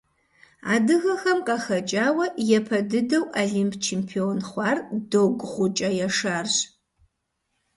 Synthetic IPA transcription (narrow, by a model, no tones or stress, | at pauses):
a̰ːdɨɣɐxɐmqʼaxɐt͡ʃʼaːwɐjɛpʰɐdɨdɐwʔaɮimpʰt͡ʃʰempʰioːnχʷɑːrdoɡʷʁʷʊt͡ʃʼɐjɛʂaːrʒ